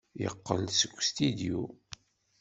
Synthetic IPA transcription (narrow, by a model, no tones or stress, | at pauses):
jə̰qːəlsəɡʷːst̪id̪iu